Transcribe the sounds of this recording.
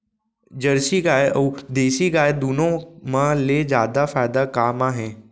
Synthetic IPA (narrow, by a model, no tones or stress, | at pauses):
d͡ʒəɾsiɡaːeʔəud̪eːsiɡaːed̪uːnõmãled͡ʒjaːd̪afaːɪd̪akaːmaːɦẽ